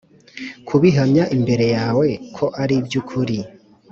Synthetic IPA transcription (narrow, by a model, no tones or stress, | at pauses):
kʰuβiɦamɲaʔimbe̞ɾe̞jaːwe̞kʰo̞ʔaɾibjukʰuɾi